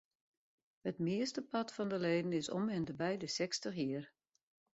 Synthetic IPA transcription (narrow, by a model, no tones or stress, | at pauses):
hətmɪəstəpɑtfɔndəleːdən̩ɪsɔ̰mɛndəbɛjdəsɛkstəxjiər